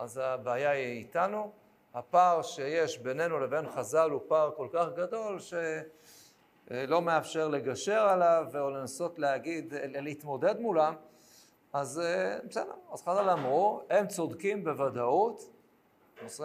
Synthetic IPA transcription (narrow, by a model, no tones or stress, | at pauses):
ʔazabaːjaiːtanu | hapaʁʃe̞jeʃbe̞ne̞nule̞ve̞nχazalupaʁko̞lkaχɡad̪o̞lʃe̞ | lo̞me̞afʃe̞ʁle̞ɡaʃe̞ʁalaveole̞naso̞tleaɡid̪lehit̪mo̞de̞d̪mulam | azsedeazχazalamʁuhe̞mt͡so̞dkimbe̞vadaut̪ | os